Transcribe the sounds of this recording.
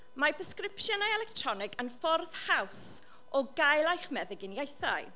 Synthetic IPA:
mapʰəskrɪpʃjənajɛlɛk̚tʰrɔnɪɡənfɔrð̥haws | ɔɡajlˠajχmɛðəɡɪnjejθa̰j

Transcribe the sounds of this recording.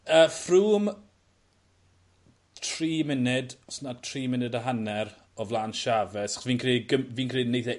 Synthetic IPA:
əːfruːm | tʰriːmɪnɪdsnatʰriːmɪnɪdaɦanɛr | ɔvlˠaːnʃavɛsḁχsviːnkʰriːɡəmviːnkʰriːdnejθɛ

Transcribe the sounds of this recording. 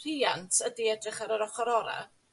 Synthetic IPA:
r̥iantʰədiɛdrɪχaɾəɾɔχɔɾɔɾa̰

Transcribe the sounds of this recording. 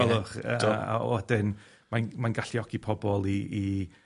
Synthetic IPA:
ɛlˠʊχəa̰ɛdɪn | manmanɡaɬiɔɡipʰɔbɔlˠiː

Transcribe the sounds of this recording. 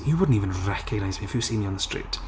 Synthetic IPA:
jəwʊdⁿn̩tiːvə̃nɹɛkʰəɡ̚naɪzmiɪfjɨsiːmiə̃nðəstɹ̥ḭːˑt

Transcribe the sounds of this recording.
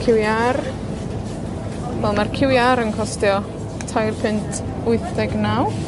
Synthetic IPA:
kʰɪwjar | vɛlˠmarkʰɪwjaɾənkʰɔstjɔ | tʰajrpʰɪntʰ | ʊɨθdɛɡnaw

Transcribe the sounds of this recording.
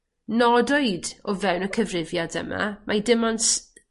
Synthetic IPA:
nɔdoɨdɔvɛwnəkʰəvrɪvjadə̰ma̰mʔajdɪmɔns

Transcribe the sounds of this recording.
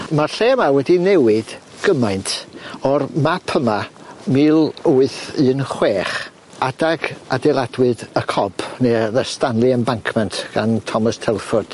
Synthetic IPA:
marɬeːmawɛdinɛwɨd̥ | ɡ̥əmajntʰɔrmapʰəmamiːlˠuɨθɨːnχweːχ | adaɡa̰dɛlˠadwɨdəkʰɔb̥neðəstanlˠɨənbaŋkʰmɛntʰɡ̥antʰɔməstʰɛlˠfʊd̥

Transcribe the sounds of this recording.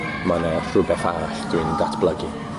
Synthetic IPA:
manɛfrʊbɛθaɾaɬd̥ɨːndatʰb̥lˠəɡi

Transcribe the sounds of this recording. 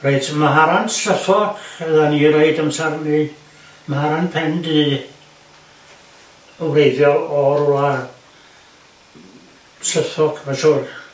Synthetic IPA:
reɨdmaɦaɾansɬəθɔkʰɛðaniɾeɨdəmsarni | mahaɾanpʰɛndi | əwrejðjɔɔrua | sləθɔkʰvasuːr

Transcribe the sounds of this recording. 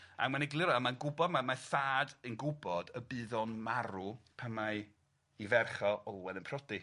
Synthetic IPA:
a̰manɛɡlˠɪɾɔamanɡʊbɔdmamaθaːdɨnɡʊbɔdəbɨːðɔnmaɾupʰəmaɨ | ivɛrχɔʔɔlˠwɛðənpʰrɔdi

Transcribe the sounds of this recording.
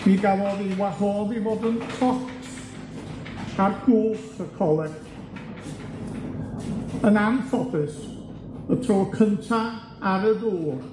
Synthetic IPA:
miɡalɔðinwahɔlˠðivoːdənkʰɔtʰ | arɡ̥ʊlˠfəkʰɔlˠɛɡ | ənamfɔbɨs | ətʰroːkʰəntʰa | aɾəðoːr

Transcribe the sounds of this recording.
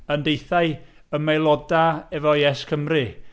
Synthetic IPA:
əndejθaɨəmɛjlˠɔdaɛvɔjɛskʰəmrɨ

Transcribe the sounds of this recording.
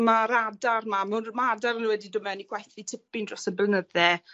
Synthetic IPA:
maɾadarmamɛnmaadaɾnuwɛdidʊmɛniɡ̥ʰwajθitʰɪpɪndrɔsəblənəðɛ

